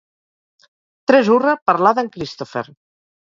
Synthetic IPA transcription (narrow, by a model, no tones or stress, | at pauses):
t̪ɾɛzurəpəɾlaðəŋkɾist̪ofḛɾ